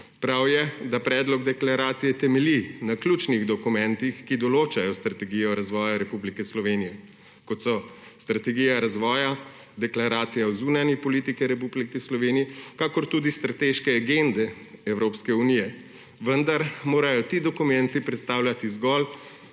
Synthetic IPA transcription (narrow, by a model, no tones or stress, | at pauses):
pɾawjɛd̪apɾɛːd̪lɔɡd̪ɛklaɾaːt̪sijɛt̪ɛmɛlinaklʲuːt͡ʃniɣd̪ɔkumɛnt̪ixkid̪ɔloːt͡ʃajɔst̪ɾat̪ɛɡijɔɾazʋɔːjaɾɛpublikɛslɔʋenijɛ | kɔt̪sɔst̪ɾat̪ɛɡiːjaɾazʋɔːja | d̪ɛklaɾaːt̪sijawzunanipɔlit̪ikiɾɛp̬ublikislɔʋeːnijɛkakɔɾt̪uːd̪ist̪ɾat̪eʃkɛaɡend̪ɛ | ɛwɾoːpskɛunijɛ | ʋənd̪aɾmoːɾajɔt̪id̪ɔkumɛnt̪ipɾɛt̪st̪aːwlʲjat̪izɡɔl